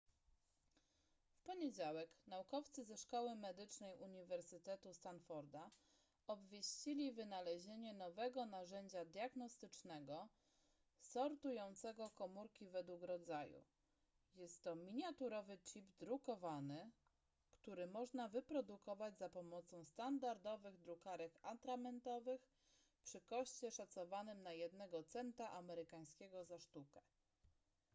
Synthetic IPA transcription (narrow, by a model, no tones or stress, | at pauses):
fpɔɲed͡ʑawɛknaukɔft̪sɘzɛʂkɔwɘmɛd̪ɘt͡ʂnɛjuɲivɛɾsɘt̪ɛt̪ust̪anfɔɾd̪a | ɔbvʲjeɕt͡ɕilʲivɘnalɛʑeɲɛnɔvɛɡɔnaʐɛɲd͡ʑad̪ʲjaɡnɔst̪ɘt͡ʂnɛɡɔ | sɔɾt̪ujɔnt̪sɛɡɔkɔmuɾkʲivɛd̪wukɾɔd̪zajṵ | jɛst̪ːɔmʲiɲat̪uɾɔvɘt͡ɕibd̪ɾukɔvanɘ | kt̪uɾɘmɔʐnavɘpɾɔd̪ukɔvad͡ʑzapɔmɔt̪sɔ̃w̃st̪and̪aɾd̪ɔvɘɣd̪ɾukaɾɛkat̪ɾamɛnt̪ɔvɘx | pʂɘkɔɕt͡ɕɛʂat̪sɔvanɘmnajɛd̪nɛɡɔt̪sɛnt̪aʔamɛɾɘkaj̃skʲɛɡɔzaʂt̪ukɛ